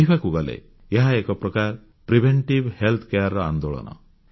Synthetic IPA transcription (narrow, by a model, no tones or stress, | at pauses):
ibʱakuɡɔlḛ | eɦaekɔpɾɔkaɾ | pɾibʱeɳʈibhelt̪ʰkejaɾːɔa̰nd̪oɭɔ̰nɔ̰